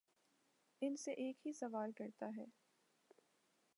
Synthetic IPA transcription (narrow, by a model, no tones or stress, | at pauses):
ɪnseʔeːkɦisɐʋaːlkɐɾt̪aɦɛː